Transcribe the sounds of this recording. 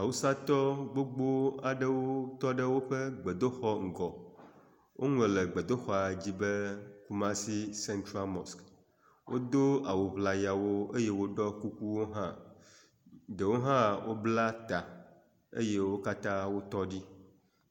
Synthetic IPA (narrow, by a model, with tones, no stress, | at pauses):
a˨wu˦sã˦t̪ɔ˦ɡ͡bo˦ɡ͡bo˦a˨ɖə˦wo˦t̪ɔ˦ɖə˦wo˦ɸə˦ɡ͡be˨d̪o˦xɔ˦ŋ̩˨ɡɔ˨ | wʔo˦ŋɛ̃˨lə˨ɡ͡bə˨d̪o˦xɔ˦a˨d͡ʑi˦bə˦ku˦mã˦si˦sɛ˦nt̪ɾa˦lmɔ˨sk | wʔo˦d̪o˦a˨wo˨βla˨ja˨wo˦e˦je˦wo˦ɖɔ˦ku˦ku˦wo˦ɦã˦ | ɖə˨wo˦ɦã˦wo˦bla˦t̪a˨ | ḛ˦je˦wo˦ka˦t̪ã˦wo˦t̪ɔ˦ɖi˦